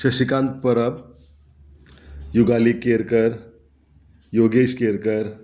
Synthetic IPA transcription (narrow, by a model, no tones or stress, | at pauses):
ʃəʃikãnt̪̚pəɾəp | juɡalikeɾkəɾ | joɡeskeɾkəɾ